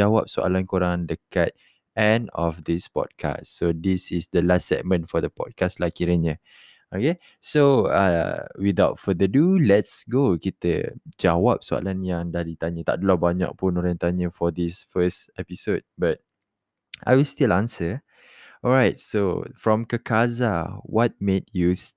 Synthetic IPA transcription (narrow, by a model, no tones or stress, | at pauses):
awap̚soʔa̰lãnkoɾãndəkat̪̚ | ɛ̃nɔ̰fd̪ispɔ̰d̚kʰa̰ssod̪isisdəlastsɛ̰t̚mə̃nfɔd̪əpɔ̰d̚kaslakiɾənə | oke | soa̰widaʊt̚fəd̪ədulɛtsɡokit̪ə̰d͡ʒawap̚soa̰lãnjãŋdahdit̪aɲət̪a̰ʔdəlabaɲa̰k̚pũnɔɾãŋt̪aɲəfɔd̪isfəstɛpisod̚bat̚ | ʔa̰jwilstilãnsə | ɔlɹaɪt̚so̰fɹɔ̃mkəkʰazawɔt̚mẽt̚jus